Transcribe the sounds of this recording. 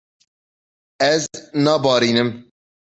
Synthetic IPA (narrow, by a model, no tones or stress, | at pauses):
ɛznɑːbɑːɾiːnɨm